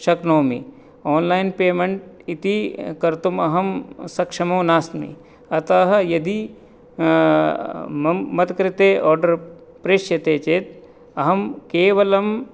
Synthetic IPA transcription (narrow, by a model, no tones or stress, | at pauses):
ʃɐknoːmḭ | ɔːnlaːjnpeːmeɳʈit̪ikɐɾt̪umɐɦɐmsɐkʃɐmoːnaːsmḭ | ɐt̪ɐɦɐjɐd̪i | mmɐt̪kɾɪt̪eːʔɔːɾɖɐɾ | pɾeʃjɐt̪eːt͡ʃeːt̪ | ɐɦɐmkeːʋɐlɐm